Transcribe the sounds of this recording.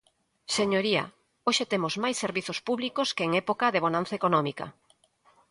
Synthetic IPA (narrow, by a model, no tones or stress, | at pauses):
seɲoɾiɐ̰ | oʃet̪emozmajsːeɾβiθospuβlikoskeeŋɛpokɐðeβ̞onãn̟θɐekonɔmikɐ̰